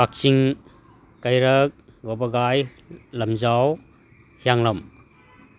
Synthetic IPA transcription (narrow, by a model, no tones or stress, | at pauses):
ak̚t͡ʃiŋ | kajɾɐk̚ | ɡɔbɐɡaj | lɐmzaw | hijaŋlɐm